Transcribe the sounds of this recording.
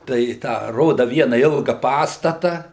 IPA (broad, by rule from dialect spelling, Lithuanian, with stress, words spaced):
tɐɪ ˈtɑː ˈroːdɐ ˈʋʲiɛnɐ ˈɪlˠɡɐ ˈpɑːstɐtɐ